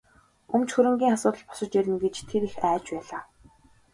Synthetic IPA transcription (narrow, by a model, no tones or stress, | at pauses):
ɵmt͡ɕxɵɾɘ̆ŋɡʲiːŋasʊːt̪ə̆ɮpɔ̥sə̆t͡ɕjæɾʲɪ̆nɡet͡ɕt̪ʰeɾixæːt͡ɕpæːɮaː